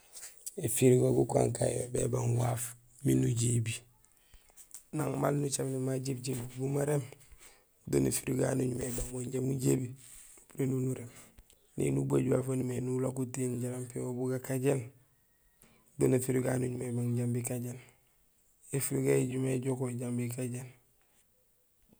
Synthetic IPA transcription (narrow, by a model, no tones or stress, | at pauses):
efiɾɡoɡuka̰ŋkajo̰bḛbaŋwaf | minuɟiːbi | naŋmalnut͡ʃabnimaɟibɟilbumaɾem | donefiɾuɡa̰nuɲumebaŋwoɲɟamuɟebiuɾenunuɾem | nḛnubaɟwaːfanumenulokutenɟaɾampiŋobuɡakaɟel | donefiɾuɡanuɲumebaŋɟambikaɟel | efiɾuɡaɟumeɟokoɟambikaɟen